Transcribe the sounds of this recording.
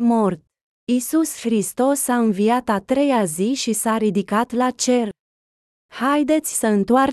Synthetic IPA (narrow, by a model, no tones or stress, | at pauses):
mo̞rt̪̚ | isusxɾist̪o̞sːaɨnvijat̪at̪ɾe̞jaziʃisaɾid̪ikat̪lat͡ʃe̞r | hajd̪e̞t̪sʲsəɨnt̪oar